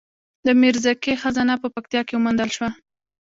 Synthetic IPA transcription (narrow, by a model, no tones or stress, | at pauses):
d̪əmɪɾzakexazɑnapəpak̚t̪ijɑkewmand̪əlʃwa